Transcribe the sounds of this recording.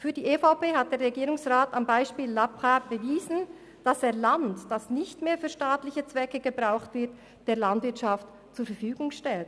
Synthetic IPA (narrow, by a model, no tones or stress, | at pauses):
fyːɐdiːʔefaʊpeːɦat̚d̥eːɾʁeɡiːɾʊŋsʁaːtambaɪʃpiːlːapχab̥əviːzn̩ | d̥aseːɐlantd̥asnɪçtmeːɐfyːɐʃtaːtlɪçət͡sv̥ɛkəɡəbʁaʊxtv̥ɪɐt | d̥eːɐlandvɪɐtʃaft | t͡suːɐfɛɐfyːɡʊŋʃtɛlt